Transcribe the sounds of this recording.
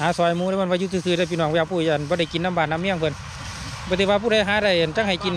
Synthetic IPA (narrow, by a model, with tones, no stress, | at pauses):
haː˨˥sɔː˨˧˩jmuː˧˨˧m˧˥˨waː˧juː˧˩t̪ʰːsʰɯː˧˩ɾa˧˩p̬i˧˨n˨ɔː˧˩ŋ˧aː˧˩kpʰuː˧˩˨ja˨nbɔː˧˦ɾa˧˩˨jki˧˨nːa˧˥˨mbaː˨˩nːa˧˥˨mi˧ə˨ŋpʰɯ˧˨n | bɔː˧˦t̪ʰe˧˩waː˧pʰuː˧˩ɾa˧˨jɦaː˨˦ɾa˧˩jʔa˨nt͡ɕa˧˨ŋha˨˩jki˧˨n